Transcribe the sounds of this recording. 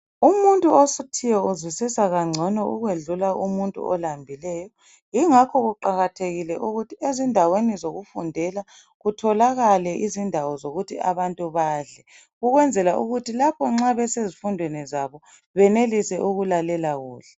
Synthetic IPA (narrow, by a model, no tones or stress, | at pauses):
umuntʼuosutʰijɛuzwisisaɣaŋ͡ǀʱɔnɔʔuɣweɮulaʔumuntʼṵʔɔlambʱilɛːjɔ | jiŋakʰɔɣuǃaɣatʰeɣilɛʔuɣutʰiezindʱawenizoɣufundʱɛla | ɣutʰɔlaɣalɛʔizindʱawɔzoɣutʰia̰βantʼuβaːɮɛ | ɣuɣwɛnd͡zʱɛlaʔuɣutʰilapʰɔŋ͡ǁaβɛsezifundʱwenɛzaβɔ | βɛnelisɛʔuɣulalɛlaɣuːɬɛ